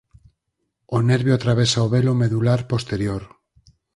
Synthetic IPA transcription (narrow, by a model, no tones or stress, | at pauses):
oneɾβjoat̪ɾaβesaoβelomeðulaɾpost̪eɾjoɾ